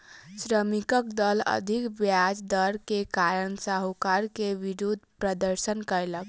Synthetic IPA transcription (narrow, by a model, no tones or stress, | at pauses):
sɾəmikəkd̪ələ̰d̪ʱikbjad͡ʒd̪əɾkekaɾənsaɦukaɾkeʋiɾud̪ʱpɾəd̪əɾsənkəelək